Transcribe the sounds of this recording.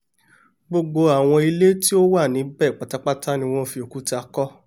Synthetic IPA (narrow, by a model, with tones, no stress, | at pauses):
ɡ͡bo˧ɡ͡bo˧a˨w̃ɔ̃˧i˧le˦ti˦o˦wa˦˨nĩ˨˦bɛ˦˨k͡pa˨ta˦k͡pa˦ta˦nĩ˧w̃ɔ̃˦fi˧o˨ku˨˦ta˧kɔ˦